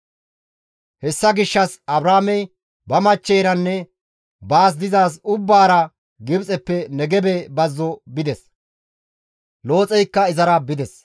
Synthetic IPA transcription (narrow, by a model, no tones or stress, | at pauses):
hɛsːɐɡɪʃːɐsɐbɾaːmɛj | bɐmɐt͡ʃːɛjɾɐnːɛ | baːs̬d̪ɪzaːs̬ʊbːaːɾɐ | ɡɪbt͡sʼɛpːɛnɛɡɛbɛbɐzːɔbɪd̪ɛs | lo̞ːt͡sʼɛjkːɐɪzɐɾɐbɪd̪ɛs